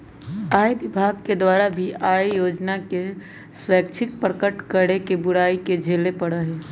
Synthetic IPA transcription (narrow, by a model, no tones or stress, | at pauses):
aːibɪbʱaːɡked̪waːɾabʱiaːjjoːd͡ʒnake | swəːkt͡ʃʰɪk̚pɾəkəʈkəɽekebʊɽaːiked͡ʒʱeːlepəɽəɦeː